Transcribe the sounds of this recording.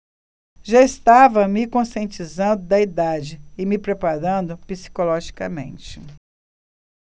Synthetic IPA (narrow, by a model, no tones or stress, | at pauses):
ʒaɪst̪avɐmɪkõsiẽnt͡ʃizɐ̃nd̪ʊd̪ɐid̪ad͡ʒɪɪmɪpɾepaɾɐ̃d̪ʊpisi̥kolɔʒikɐmḛ̃nt͡ʃɪ